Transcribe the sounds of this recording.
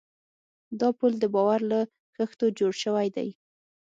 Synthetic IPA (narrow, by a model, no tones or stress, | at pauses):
d̪ɑpuld̪əbɑwaɾla | ɣəxt̪od͡ʒoɽʃəwajd̪a̰j